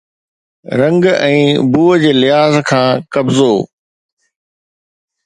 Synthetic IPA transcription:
ɾɐ̃ŋɡɛ̃ːbuːəd͡ʑeːlɪɦaːzkʰãːkɐbzoː

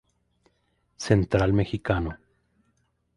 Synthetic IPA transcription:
sent̪ɾalmexikano

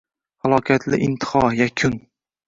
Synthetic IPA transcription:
halˠɒkʰʲat̪ʰlɪʔɪnt̪ʰɪ̥hɒjakʲʰʊn

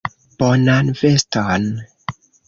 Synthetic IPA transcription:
b̥ɔnanvɛstɔn

